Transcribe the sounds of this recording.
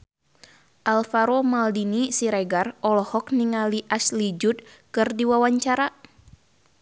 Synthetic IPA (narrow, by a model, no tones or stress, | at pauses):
ʔalfaɾomaldinisiɾɛɡarɔlɔhɔkniŋaliʔaslid͡ʒut̪̚kɨrdiwawaɲt͡ʃaɾa